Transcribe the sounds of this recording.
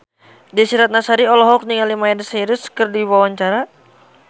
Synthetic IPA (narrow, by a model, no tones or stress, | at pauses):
disiɾat̪̚nasaɾiɔlɔɦɔk̚niŋalimaɛdsiɾʊskərdiwawaɲt͡ʃaɾa